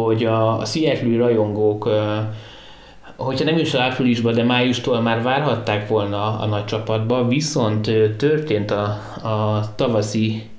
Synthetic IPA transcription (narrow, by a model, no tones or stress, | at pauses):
o̞ɟɒ̰siɛt̪løːrɒjo̞ŋɡoːk | ho̞chɒnɛmiʃɒapriliʒbɒd̪ɛmaːjuʃt̪oːlmaːrvaːrɦɒt̪ːaːkʋo̞lnɒ̰ːnɒc̚t͡ʃɒpɒd̪bɒviso̞nt̪øt̪ːørt̪eːnt̪ɒː | t̪ɒvɒsi